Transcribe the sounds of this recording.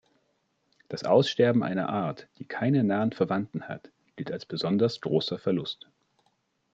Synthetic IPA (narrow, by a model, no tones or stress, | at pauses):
d̥asʔaʊsʃtɛɐbm̩ʔa̰ɪnɐ̰ʔaːɐtd̥iːkʰaɪnənaːənfɛɐvantn̩ha̰t | ɡ̥ɪltalsb̥əzɔndɐsɡ̥ʁoːsɐfɛɐlʊst